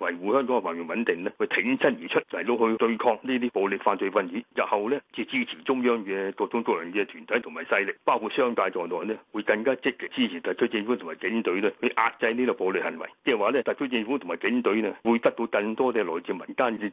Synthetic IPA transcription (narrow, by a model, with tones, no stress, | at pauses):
wɐ˨˩jwuː˨˧hœː˥ŋkɔ˨˥ŋ˧faː˨˩nji˨˩nwɐ˨˥nt̪ɪ˨ŋlɛː˥˨˧t̪ʰɪ˨˥ŋsɐ˥njiː˨˩t͡ʃʰɵ˥t̚jt̪o˧whɵ˧t̪ɵ˧ɥkʰɔː˧ŋniː˥t̪̬iː˥po˨˧wly˨t̚faː˧t̚t͡ʃɵ˧fɐ˧njiː˨˥jɐ˨p̚hɐ˨wlɛː˥t͡si˧t͡siː˥t͡sʰi˨˩t͡ʃʊ˥ŋjœː˥ŋkɛː˧tɔː˧t͡ʃʊ˥ŋt͡sɔ˨˧jɐ˨˩nkɛː˧t̪ʰyː˨˩nt̪ʰjt̪ʰʊ˨˩ŋmaː˨˩jsɐ˧jlɪ˨k̚paː˥wkʰu˧t̚sœː˥ŋkaː˧jt͡sɔː˨˩t̪ɔː˨˩nɛː˥wu˨˧jkɐ˧ŋkaː˥t͡sɪ˨˧k̚li˨˩t͡siː˥t͡sʰi˨˩t̪ɐ˨˩ɵ˥ɪ˧ŋfu˨˥t̪ʰʊ˨˩ŋmaː˨˩jkɪ˨˥ŋt̪ɵ˨˥ɥlɛː˧˥hɵ˧ʔa̰ː˧t̚t͡sɐ˧jniː˥tɔ˨˧˩po˨˧wli˨hɐ˨˩nwɐ̰˨˩jt͡sɛː˧˩waː˨lɛː˥t̪ɐ˨t̚kʰɵ˥t͡ʃɪ˧ŋfuː˨˥t̪ʰʊ˨˩ma˨˩kɪ˨˥ŋt̪ɵ˨˥ɥnɛ˥wu˨˧jt̪ɐ˥k̚t̪o˧wkɐ˧ŋt̪ɔː˥tɛː˧lɔː˨˩jt͡si˨˧mɐ˨˩nt̪aː˥ni˧